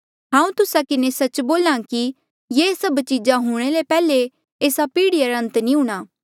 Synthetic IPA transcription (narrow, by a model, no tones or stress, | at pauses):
ɦãːũt̪ʊsakɪnesɐt͡ʃboːlaki | jesɐbt͡ʃid͡ʒaɦʊɽ̃elepɛːle | eːsapiːɽiaɾɐ̃nt̪nĩɦuːɽ̃aː